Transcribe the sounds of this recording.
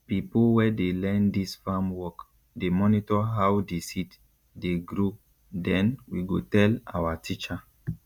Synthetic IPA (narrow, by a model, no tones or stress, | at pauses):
pipowɛdelɛ̃ndisfãmwɔk | demɔnitɔɦawdesit | deɡɾo | dɛ̃nwiɡotɛla̰watʰit͡ʃa